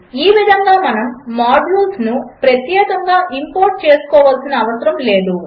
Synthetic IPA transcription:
iːʋid̪ʱɐŋɡaːmɐnɐmːaːɖlulsnupɾɐt̪jɛːkɐŋɡaːʔimpoːɾʈ̚t͡ʃe̞ːsu̥kɔːʋɐlsinɐːʋɐsɐɾɐmle̞ːd̪u

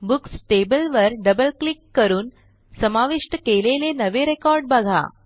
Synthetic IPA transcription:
buksʈebəlʋəɾɖəbəlklikːəɾuːn | səmaʋiʂʈəkelelenəʋeɾekɔɾɖ̚bəɡʱa̰

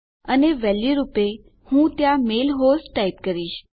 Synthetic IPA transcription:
əneʋɛliɾupe | hũt̪jãmelɦosʈaip̚kəɾiʃ

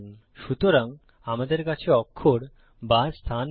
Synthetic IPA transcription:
ʃut̪oɾaŋ | amad̪eɾkat͡ɕʰeɔkʰːoɽ | bast̪ʰan

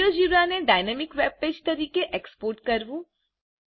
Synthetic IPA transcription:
ɾod͡ʒiʋaneɖajnemɪkʋeb̚ped͡ʒt̪əɾikeʔekspoːɾʈkəɾʋũ

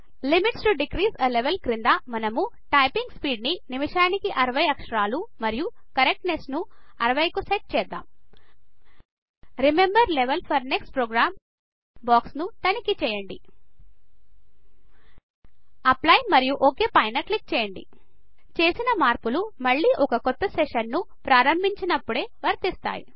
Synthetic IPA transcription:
limiʈsʈuɖiɡɾiːsɐleʋelkɾind̪aːmɐnɐmu | ʈɐjpiŋɡspiːɖninimiʂaːnikiʔɐɾɐʋɐjɐkʂɐɾaːlumɐɾiju | kɐɾek̚ʈnesnuɐɾɐʋɐjkuseʈ̚t͡ʃɛːd̪ːa̰ːm | ɾimembɐɾleʋelpʰɐɾneksʈpɾoːɡɾaːm | baːksnut̪ɐnikit͡ʃɛːjɐɳɖi | ɐplɐjmɐɾijuʔoke̞ːpɐjnɐklik̚t͡ʃɛːjɐɳɖḭ | t͡ʃe̞ːsinɐmaːɾpulumɐɭːiːʔɔkɐkɔt̪ːɐseʂɐnːu | pɾaːɾɐmbʱiɲt͡ʃinɐpːuɽe̞ːʋɐɾt̪ist̪a̰ːjḭ

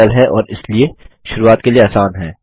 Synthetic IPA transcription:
əlɦɛʔɔːɾɪslie | ʃʊɾuːaːt̪kelieaːsaːnɦɛː

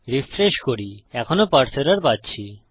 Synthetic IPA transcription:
ɾifɾeʃkoɾiɛkʰonopaɾt͡ɕʰoɾaɾpatːɕʰi

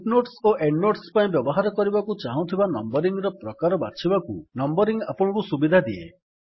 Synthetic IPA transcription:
ipnoʈsoʔeɳɖnoʈspaĩbjɔbɔɦaɾɔkɔɾibakut͡ʃaɦw̃t̪ʰibanɔmbɔɾiŋɡɾɔpɾɔkaɾɔba̰t͡ʃʰibakunɔmbɔɾiŋɡapɔɽ̃ɔ̃kusubid̪ʱad̪iḛ

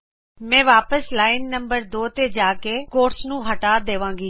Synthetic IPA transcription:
mɛ̃ːʋaːpəslaːɪnːəmbəɾd̪oːt̪eːd͡ʒaːkeːkoːɾsnũːɦəʈaːd̪eːʋãːŋɡiː

